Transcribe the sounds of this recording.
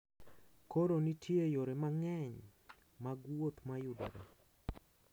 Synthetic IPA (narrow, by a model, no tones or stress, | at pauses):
koɾonitʰjejoɾemaŋɛɲ | maɡwot̪majʊda̰ɾa̰